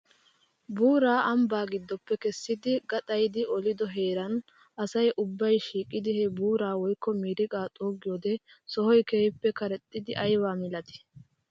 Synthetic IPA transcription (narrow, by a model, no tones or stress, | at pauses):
buːɾaːʔɐmbaːɡɪd̪ːɔpːɛkɛsːɪd̪ɪɡɐt̪ʼɐjd̪ɪɔlɪd̪ɔɦeːɾɐn | ɐsɐjʔʊbːɐjʃiːkʼːɪd̪ɪhɛbuːɾaːwɔjkːɔmiːɾɪkʼaːt̪ʼoːɡɪjoːd̪ɛ | sɔhɔjkeːhɪpːɛkɐɾɛt̪ʼːɪd̪ɪʔɐjwaːmɪlɐt̪ɪ̥